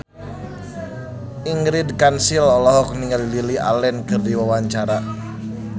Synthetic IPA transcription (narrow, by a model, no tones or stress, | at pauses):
iŋɡɾidkansilɔlɔɦɔk̚niŋalililia̰lɛnkɨrdiwawaɲt͡ʃaɾa